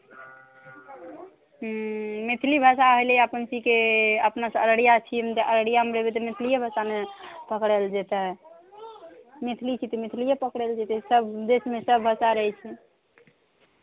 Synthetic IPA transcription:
mit̪ʰlibʱəsaɦələpənsikeəpnasə̃əɾəɽijat͡ʃʰimt̪əʔəɾəɽijameɾebet̪ɔmit̪ʰlijebʱəsamepəkɽɛld͡ʒet̪ɛ | mit̪ʰlit͡ʃʰit̪ɔmit̪ʰlijepəkɽɛld͡ʒet̪ɛsəbd̪esmesəbbʱəsaɾəɦɛt͡ʃʰɛ

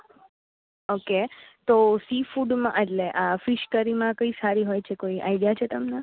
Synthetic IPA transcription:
oket̪osifuɖmãʔeʈleʔafiʃkəɾimãkəisaɾiɦojt͡ʃʰekoiʔa̰iɽijat͡ʃʰet̪əmna

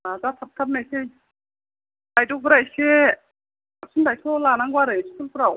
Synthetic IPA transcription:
azatʰap̚t̪ʰap̚najsej | ajdɔk̚bɾajse | ap̚sʰundajtʰɔlanaŋɡwaɾɯjskʰulpɾaw

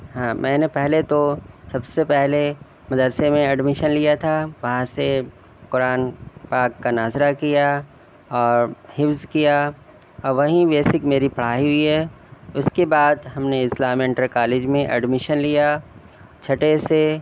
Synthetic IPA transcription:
ɦãːmʔɛ̃ːnepɛɦlet̪osɐbsepɛɦle | mɐd̪əɾsemẽɐɖmɪʃənlijat̪ʰaʋɐɦãse | kʊɾaːnpaːkːanaːzɾakija | ɔːɾhɪfzkija | ɔːɾʋɐɦĩbeːsɪkmeːɾipɐɽ̤aːiɦʊiɦɛː | ʊskebaːd̪ɦɐmneɪslaːmɛ̃ɳʈəɾkaːleːd͡ʒmẽʔɐ̰ɖmɪʃənlija | t͡ʃʰɐʈese

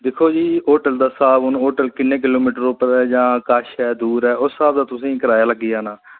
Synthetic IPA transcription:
d̪ɪkʰoːd͡ʒiːoːʈəld̪aːsaːbʊnoːʈəlkɪnːẽːk̬ɪloːmiːʈəɾoːpəɾɛːd͡ʒãːkəʃɛːd̪uːɾɛːʊsːaːbd̪aːt̪ʊsĩːkəɾaːjaːləɡiaːnaː

